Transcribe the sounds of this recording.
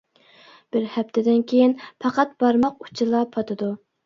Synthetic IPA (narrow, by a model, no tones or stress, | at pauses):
b̥ɪɾhɛpt̪ʰɪd̪ɪnkʲʰejinpʰɑqɑt̪̚bɑɾmɑqu̥t͡ʃʰɪlˠɑpʰɑt̪ʰɨd̪u